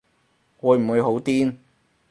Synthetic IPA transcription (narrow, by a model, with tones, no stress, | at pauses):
ŋuː˨˧jm̩˨˩wu˨˧jɦo˨˥wt̪iː˥n